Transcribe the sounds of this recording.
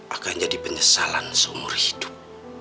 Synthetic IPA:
ʔakand͡ʒadipəɲəsalansəumʊ̰rhidʊ̥p̚

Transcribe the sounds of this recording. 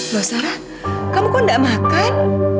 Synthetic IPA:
ɓəːsaːɾa | kamkɔnɗa̰maːkajk̚

